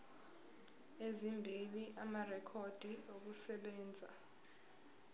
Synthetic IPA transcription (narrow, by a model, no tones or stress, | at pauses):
ezimbʱiliʔamarɛkʰod̥ʱiok̬usɛɓɛːnd͡zʱa